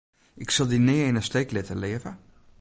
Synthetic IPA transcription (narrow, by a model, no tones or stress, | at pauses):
ʔɪksɑlˠdineɪnəstejklɪtəleəvə